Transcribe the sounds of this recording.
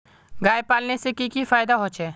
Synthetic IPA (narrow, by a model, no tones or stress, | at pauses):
ɡaːjpaːlnesekikifaːjd̪aɦot͡ʃʰeː